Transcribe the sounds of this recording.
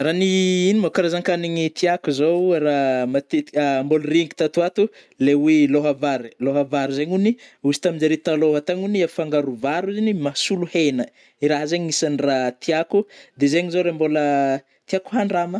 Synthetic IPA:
raniinimakaɾazaŋkaniɲit̪ʰiakuzoɾamat̪imbolriŋɡi̥t̪at̪uat̪u | leweloɦavaɾloɦavaɾizeɲuniuzi̥t̪amind͡ʒaɾit̪aloɦat̪aɲuniafaŋɡaɾuvaɾuzinimasuluhenə | iɾaɦazeɲisanrat̪iakud̪ezeɲizoɾembolə | t̪iaku̥ɦaɳrama

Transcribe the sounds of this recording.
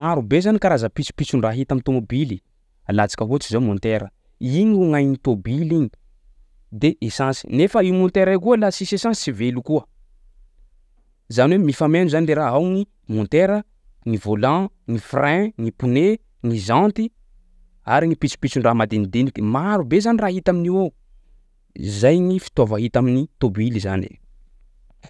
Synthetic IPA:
aɾubezanikaɾazəpit͡si̥pit͡sunraɦit̪amit̪omobili | alat͡sḁkəɦot͡ʃizamɔ̃nt̪eɾə | iɲuŋajnit̪obiliɲi̥ | d̪eʔesãnsi̥̰nefəiumɔ̃nt̪eɾajkuəlasisesãnsisivelukuə | zaniwemifamenuzanleɾaɦawŋi | mũnt̪eɾə | ŋivolã | ŋifrɛ̃ŋipune | ŋizãnt̪i | a̰ɾiŋipit͡si̥pit͡sinramad̪inid̪inikmaɾubezaniraːɦit̪aminiwe | ḭzajŋifi̥t̪ovaɦit̪aminit̪obiliza̰nḛ

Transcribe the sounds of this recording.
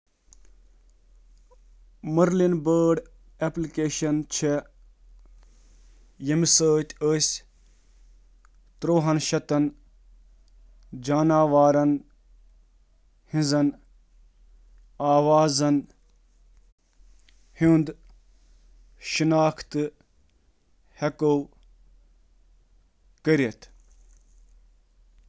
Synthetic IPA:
mɐɾlinbəːɖ | eplikeːʃɐnt͡ʃʰe | jɐmisəːt̪ʲəːsʲ | t̪ɾoːɦɐnʃɐt̪ɐn | d͡ʒaːnaːʋaːɾɐn | hĩnzɐn | aːʋaːzɐn | hind̪ | ʃinaːkʰt̪ɨ | hɐkow | kəɾet̪ʰ

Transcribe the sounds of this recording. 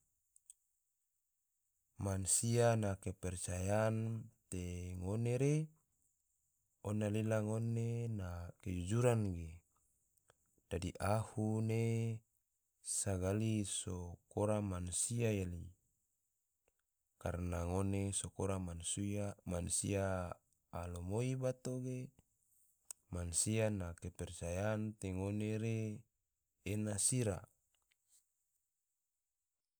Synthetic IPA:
mansianakepɛrt͡ʃajant̪eŋoneɾe | ɔnalilaŋonenaked͡ʒud͡ʒuɾanɡe | d̥adiʔahune | saɡalisokoɾamansiajali | karnaŋonesokoɾamansiamansḭaː | lomoibat̪oɡe | mansianakepɛrt͡ʃajant̪eŋoneɾe | nasiɾa̰

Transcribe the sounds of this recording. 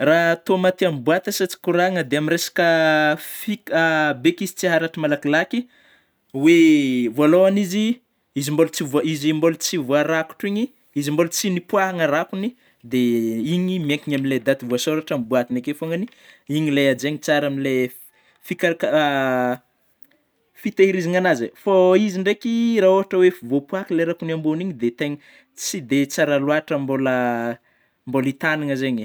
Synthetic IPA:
raɦt̪omat̪iambuat̪əsat͡si̥kuɾaŋəd̪eaminɾesḁkəfikbekizi̥t͡siɦaɾaʈ͡ʂimalakilaki | wevuoaloanizi | izimbolut͡sivizimbolut͡sivoaɾaku̥ʈ͡ʂiɲi | izimbolut͡sinipuaɦaŋərakuni | d̪eiɲimeŋkiɲamiled̪at̪ivuasoɾaʈ͡ʂambuat̪inakefoŋani | iɲilead͡ʒeɲit͡saɾamile | fikak | fit̪eiɾiziŋanazifoiziɳɖ͡ʐekiraoɦaʈ͡ʂəwefivopwakileɾakunamboniɲid̪et̪eɲi | t͡sid̪et͡saɾaluaʈ͡ʂəmbolə | mbolit̪aniŋəzeɲi

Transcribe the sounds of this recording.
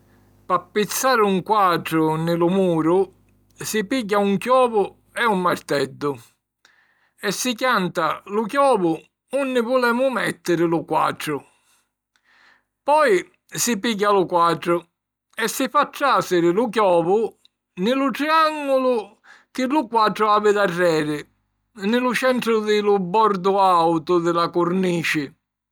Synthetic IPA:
papːɪt̪sːaːɾɪuŋkwaʈɾʊnɪlʊmuːɾʊ | sipiɟːauŋkjɔːvʊ | ɛumːaɾt̪ɛd̪ːʊ | ɛsːɪkjant̪alʊk̬jɔːvʊ | unːɪvʊlɛːmʊmɛt̪ːɪɾɪlʊkwa̰ʈɾʊ | pɔj | sɪpiɡːalʊkwaʈɾʊ | ɛsːɪfaʈːaːsɪɾɪlʊk̬jɔːvʊ | nɪlʊʈ̪ɾiaŋɡʊlʊ | kɪlʊkwaʈɾʊaːbɪd̪arːɛːɾɪ | nɪlʊt͡ʃɛnt̪ɾʊðɪlʊbɔɾd̪ʊawt̪ʊðɪlakʊɾniːt͡ʃɪ

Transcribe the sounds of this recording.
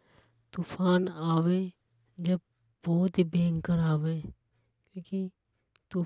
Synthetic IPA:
t̪uːfʰaːnaːweː | d͡ʒɐb̚ | bɔːt̪ɦibẽːŋkəɾaːweː | kjõːki | t̪uː

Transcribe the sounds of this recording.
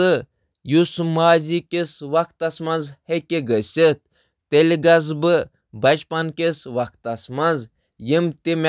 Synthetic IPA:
ɨ | jusmaːzʲikʲesʋɐkt̪ɐsmɐ̃nzhekʲeɡəsʲit̪̚ː | elʲɡɐzbɨ | bɐt͡ʃpɐnkʲesʋɐkt̪ɐsmɐnz | jimt̪imʲ

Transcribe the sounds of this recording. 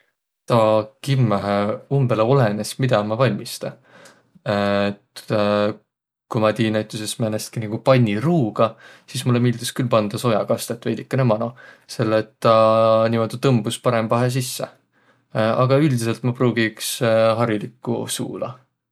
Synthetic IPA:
t̪ɑkimːeɦeumb̥eleo̞le̞nesmid̪̥ɑmɑvɑlʲmist̪ɑ | t̪ | kumɑt̪iːnæt̪ːˑusesmenest̪kiniɡ̥upɑnʲːiruːɡ̥ɑsismulemild̪̥iskylpɑnd̪̥ɑso̞jɑkɑst̪et̪ːˑvejd̪̥ikːˑɑnemɑnose̞lːet̪ːɑnʲimod̪et̪ɤmbuspɑɾemvɑɦes̬isːe | ɑɡ̥ɑyld̪is̬e̞lt̪mɑpruːɡ̥iksɦɑɾilikːˑṵsṵːlɑ̰

